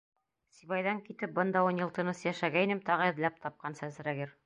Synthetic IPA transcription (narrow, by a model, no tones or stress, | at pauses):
siβɑjðɑŋkit̪ɘp̚bɤnd̪ɑunjɤ̆lˠt̪ɤ̆nɤsjæʃæɡæinɘmt̪ɑʁɤ̆ɘ̆ðlæp̚t̪ʰɑp̚qɑnsæzɾæɡɘɾ